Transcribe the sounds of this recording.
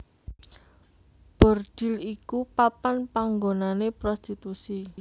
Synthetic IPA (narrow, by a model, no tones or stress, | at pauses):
b̥ɔ̤rd̪̥i̤likupapanpaŋɡonanepɾɔst̪it̪usi